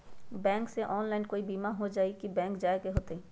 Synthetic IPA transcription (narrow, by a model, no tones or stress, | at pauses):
bɛ̃ːŋkseʔɔːnlaːɪnkoːibiːmaɦod͡ʒaːikibɛ̃ːŋkd͡ʒaːekeɦoːt̪eɛ̃